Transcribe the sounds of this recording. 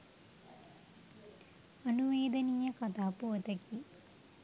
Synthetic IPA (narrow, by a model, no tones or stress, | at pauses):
ɐnuʋeːd̪ɐnijɐkɐt̪aːpot̪ɐki